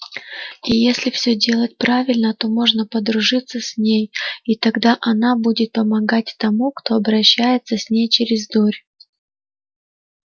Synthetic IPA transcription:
ijesʲlʲɪfsʲɵdʲe̞lˠət̚ʲpɾavʲɪlʲnət̪o̞mo̞ʐnəpəd̪ɾʊʐɨt̪sːəsʲnʲejit̪ɐɡd̪aʔɐnabudʲɪt̪̚pəmɐɡatʲt̪ɐmukt̪o̞ɐbɾɐɕːæjɪt̪səsʲnʲejt͡ɕɪɾʲɪzd̪orʲ

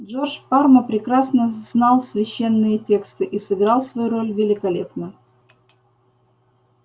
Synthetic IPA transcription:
dʐorʂparməpɾʲɪkɾasnəznɑlˠsvʲɪɕːe̞nːɨjətʲe̞kst̪ɨʔisɨɡɾɑlˠsvɐjuɾo̞lʲvʲɪlʲɪkɐlʲe̞pnə

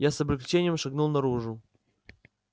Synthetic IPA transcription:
jasɐbɾʲɪklʲɪt͡ɕenʲɪjəmʂɐɡnulˠnɐɾuʐʊ

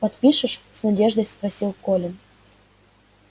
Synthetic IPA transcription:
pɐt̪pʲiʃə̆ʃsnɐdʲeʐd̪ojsprɐsʲilˠkolʲɪn

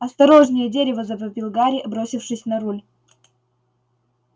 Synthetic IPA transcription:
ɐst̪ɐɾo̞ʐnʲɪjədʲeɾʲɪvəzɐpəbʲɪlˠɡaɾʲɪɐbɾo̞sʲɪfʂɨsʲnɐɾulʲ

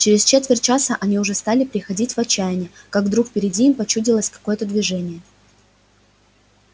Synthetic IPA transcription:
t͡ɕɪɾʲɪst͡ɕe̞t̪vʲɪr̚ʲt͡ɕasəʔɐnʲiʊʐɛst̪alʲɪpɾʲɪxɐdʲitʲvɐt͡ɕːæjɪnʲɪkaɡd̪ɾukpʲɪɾʲɪdʲiimpɐt͡ɕudʲɪlˠəsʲkɐ̥ko̞jət̪əd̪vʲɪʐɛnʲɪjə

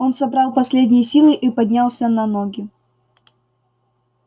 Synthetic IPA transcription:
o̞nsɐbɾɑlˠpɐsʲlʲedʲnʲɪjəsʲilˠɨʔipɐdʲnʲalˠsʲənɐnoɡʲɪ

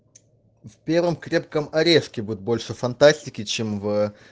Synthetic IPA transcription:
fʲpʲe̞rvəmkɾʲe̞p̚kəmɐɾʲeʂkʲɪbud̪ʲɪt̪̚bo̞lʲʂɨfɐnt̪asʲtʲɪkʲɪt͡ɕemvə

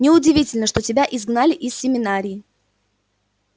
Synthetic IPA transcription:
nʲɪʊdʲɪvʲitʲɪlʲnəʂt̪o̞tʲɪbʲaʔɪzɡnalʲɪʔɪsʲsʲɪmʲɪnaɾʲɪjː

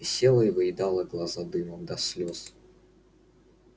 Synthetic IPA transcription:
ɪsʲelˠəɪvɨɪd̪ɑlˠəɡlˠɐzad̪ɨməmd̪ɐsʲlʲos

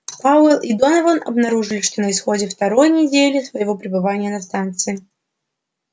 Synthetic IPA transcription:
paʊɛlˠid̪onɐvənɐ̰bnɐɾuʐɨlʲɪʂt̪o̞nəɪsxo̞dʲɪft̪ɐɾo̞jnʲɪdʲelʲɪsvəjɪvo̞pɾʲɪbɨvanʲɪjənɐst̪ant̪sɨɪ

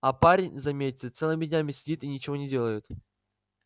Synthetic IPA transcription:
ɐpaɾʲɪnʲzɐmʲetʲɪt̪sɛlˠɨmʲɪdʲnʲamʲɪsʲɪdʲit̪inʲɪt͡ɕɪvo̞nʲɪdʲe̞lˠəjʊt̪

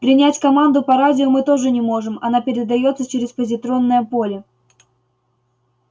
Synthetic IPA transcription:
pɾʲɪnʲætʲkɐmand̪ʊpɐɾadʲɪʊmɨt̪o̞ʐɨnʲɪmo̞ʐɨmɐ̰napʲɪɾʲɪd̪ɐjo̞t̪sət͡ɕɪɾʲɪspəzʲɪt̪ɾo̞nːəjəpo̞lʲɪ

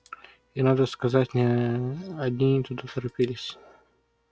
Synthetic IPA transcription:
inad̪əskɐzatʲnʲɪ | ɐd̪ʲnʲit̪ʊd̪at̪əɾɐpʲilʲɪsʲ

